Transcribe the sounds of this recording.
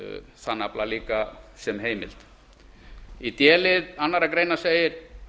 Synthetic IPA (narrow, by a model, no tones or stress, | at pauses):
θanːaplaliːkasɛmɦeːjmɪ̰l̥t̪ | it̪jɛːlɪðanːaɾakɾeːjnḁseːjɪɾ̥